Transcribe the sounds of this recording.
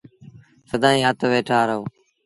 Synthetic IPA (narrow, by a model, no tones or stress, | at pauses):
səd̪ʱaːĩːaːt̪ʰoːʋeːʈʰaːɾəoː